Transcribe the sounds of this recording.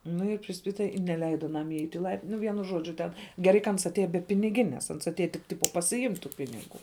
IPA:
ˈnʊ ɪ pʲrʲɪˈsʲpʲɪtɐ ɪ nʲɛˈlʲɛɪdɐ ɐˈnɐm ɪˈɛɪtʲ ɪ ˈlˠɐɪpʲtʲɪn ˈnʊ ˈʋʲiɛnʊ ˈʒoːd͡ʒʲʊ ˈtʲɛn ɡʲɛˈrɐɪ kɐ ˈɐns ɐtʲˈeːjɛ bʲɛ pʲɪnʲɪˈɡʲɪnʲeːs ˈɐns ɐtʲˈeːjɛ tʲɪk ˈtʲɪpoː pɐsʲɪˈɪmʲtʲ tuː ˈpʲɪnʲɪˌɡʊ

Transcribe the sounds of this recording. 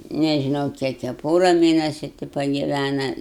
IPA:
nʲɛʒʲɪˈnɐʊ ˈkʲiɛk jiɛ ɐ ˈpoːrɐ ˈmʲeːnʲɛsʲʊ tʲɪ pɐɡʲɪˈʋʲænɐ

